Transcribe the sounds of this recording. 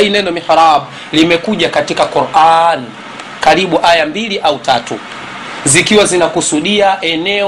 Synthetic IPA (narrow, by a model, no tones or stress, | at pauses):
inɛndɔmiħɾaɓ | limɛkuʄakatikakuɾʔani | kaɾiɓuʔajambiliʔautatṵ | zikiwazinakusuɗiaʔɛnɛ